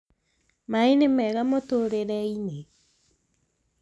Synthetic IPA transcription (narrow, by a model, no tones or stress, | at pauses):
mainemɛɣamotoɾeɾɛine